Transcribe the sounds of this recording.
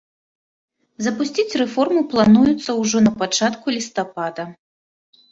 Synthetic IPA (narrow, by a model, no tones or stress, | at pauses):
zɐpusʲt͡sʲit͡sʲrɛfɔrmɨplˠanujut̪sːɐwʐɔnɐpat͡ʂat̪kulʲist̪apad̪ɐ